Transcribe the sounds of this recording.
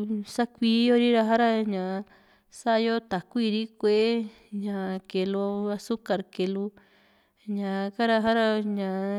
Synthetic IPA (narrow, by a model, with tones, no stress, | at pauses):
sa˦kʷi˧˦jo˦ɾi˦ɾa˧ɦa˦ɾa˧ɲã˨˧ | sa˦˧jo˦t̪a˨ku˦i˧ɾi˦kʷe˧ʔe˦ | ɲã˨˧ke˧lo˧a˧su˦ka˨ɾke˧lu˧ | ɲã˨ka˦ɾa˧ɦa˦ɾa˧ɲã˨